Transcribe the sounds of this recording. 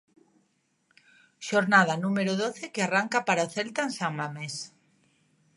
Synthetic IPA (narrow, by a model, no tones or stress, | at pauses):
ʃoɾnað̞anũmeɾʊðoθekearaŋkapaɾaθɛlt̪aensaŋmames